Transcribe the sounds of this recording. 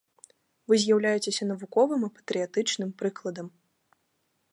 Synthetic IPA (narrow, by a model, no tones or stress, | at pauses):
vɨzʲjawlʲajɛt͡sʲesʲɐn̪ɐvukɔvɨmɨpɐ̥t̪ɾɨjat̪ɨt͡ʂnɨmpɾɨklˠɐd̪ɐm